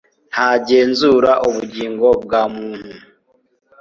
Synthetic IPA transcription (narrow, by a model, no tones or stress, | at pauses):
haɟeːnzuɾaʔuβuɟiːŋɡo̞b̚ɡaːmuːn̥u